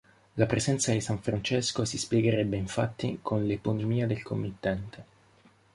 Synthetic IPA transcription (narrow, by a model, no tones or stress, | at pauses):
lapɾesɛnt̪sad̪isaɱfɾant͡ʃɛskosispjeɡeɾɛbːeiɱfat̪ːikʰonleponomiːad̪elkomːit̪ːɛnt̪e